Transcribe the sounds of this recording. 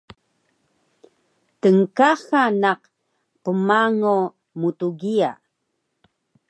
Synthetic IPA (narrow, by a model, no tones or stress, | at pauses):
təŋkaxanaq | pəmaŋo | mutuɡia̰